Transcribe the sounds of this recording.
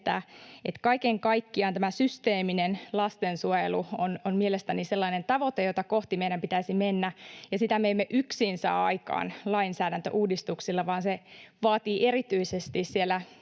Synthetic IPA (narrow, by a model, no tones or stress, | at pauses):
t̪æ̰et̪kɑikeŋkɑikːiɑnt̪æmæsyst̪eːminenlɑst̪ensuojeluononmielest̪æniselːɑinent̪ɑʋot̪ejot̪ɑkoht̪imeiɾæmpit̪æisimenːæjɑsit̪æmeemːeʔyksinsɑ̰ːɑikɑ̰ːnlɑinsæːdænt̪ø̰ʔuːdist̪uksilːɑʋɑːnseʋɑːt̪iːʔerit̪yisest̪issielːˑæ